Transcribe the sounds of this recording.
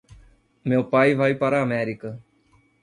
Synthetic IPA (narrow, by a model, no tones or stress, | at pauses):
mewpajvajpaɾɐːmɛɾikɐ